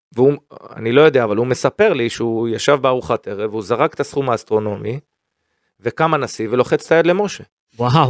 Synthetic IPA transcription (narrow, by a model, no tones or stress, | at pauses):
veua̰nilo̞jo̞d̪eaːvalume̞sape̞ʁliʃeujaʃavbeaʁuχat̪e̞ʁe̞veuzaʁaket̪asχumaːst̪ʁo̞no̞mi | ve̞kamanasivlo̞χet͡st̪ajad̪le̞mo̞ʃe̞ | waɦa